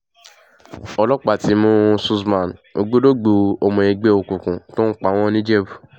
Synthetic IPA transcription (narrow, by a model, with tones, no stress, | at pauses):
ɔ˧lɔ˦k͡pa˦˨ti˦mũ˦su˧smã˨no̰˧ɡ͡bo˦do˦ɡ͡bo˨˧o˨mɔ̃˨e˧ɡ͡be˦o˧kũ˨kũ˨to˦k͡pa˨˦w̃ɔ̃˦nĩ˦d͡ʒe˦bu˨